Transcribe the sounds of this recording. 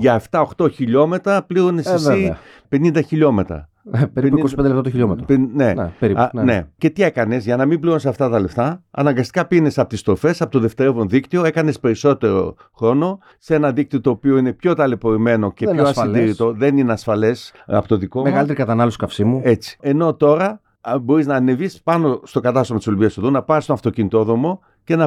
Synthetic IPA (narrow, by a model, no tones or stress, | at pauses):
ʝɐeft̪ɐo̞xt̪o̞çiʎo̞me̞t̪ɾɐpliɾonesesi | pe̞nind̪ɐçiʎo̞met̪ɾɐ̰ | ekossend̪elept̪at̪çiʎomet̪onepeɾine̞̰ce̞t̪ie̞kɐne̞zʝɐnɐmibliɾonsɐft̪ɐt̪ɐle̞ft̪ɐɐ̰nɐŋɡɐst̪ikɐpine̞sɐpot̪ist̪ɾo̞fe̞sɐpot̪oðe̞ft̪eɾevonðikt̪io̞e̞kɐne̞spe̞ɾiso̞t̪e̞ɾo̞̰xɾo̞no̞ | se̞nɐðik̚t̪iot̪o̞ːpio̞ine̞pço̞t̪ɐlepo̞ɾime̞no̞ceoɐsindd̪iɾit̪o̞ðe̞nineɐsfɐle̞sɐ̰pot̪oðikomeɣɐlit̪eɾikɐt̪ɐnɐloskɐfsimue̞t͡si̥e̞no̞t̪o̞ɾɐ | bo̞ɾiznɐːne̞vispɐno̞st̪o̞kɐt̪ɐst̪omɐt̪isoliviɐst̪ðunɐpɐst̪onɐft̪o̞cinit̪o̞ðɾo̞mo̞ | ce̞nɐ